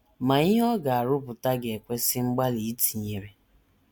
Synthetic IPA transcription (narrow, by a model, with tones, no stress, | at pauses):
ma˨i˦ɦɔ˦ɡa˨a˨ɾʊ˦pʊ˨ta˦ɡe˨kʷe˦sɪ˦ŋ͡m̩˦ɡ͡ba˦li˨˦ti̥˨ɲe˨ɾe˨